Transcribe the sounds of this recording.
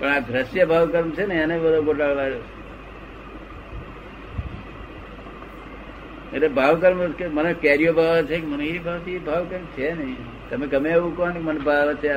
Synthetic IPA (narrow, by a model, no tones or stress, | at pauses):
pəɳad̪ʱɾəsjəbʱaʋkəɾmt͡ʃʰenəɦianebəd̪ʱokoʈaɭʋaɾot͡ʃʰ | ḛtebʱaʋkəɾmkemənekeɾijobʱaʋt͡ʃʰekemənẽɦibʱaʋt̪ibʱaʋkəɾmt͡ʃʰenəĩ | t̪əmekəmeeʋũkonkmənebʱaʋət͡ʃʰe